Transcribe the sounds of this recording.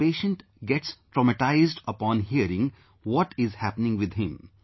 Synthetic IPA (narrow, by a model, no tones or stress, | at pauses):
peːʃə̃ɳʈ | ɡɛʈsʈɾɔməʈaɪzɖəpɔ̃ːnɦiəɾɪ̃ŋ | ʋɔʈɪzhæpənɪ̃ŋɡʋɪd̪ɦɪ̃m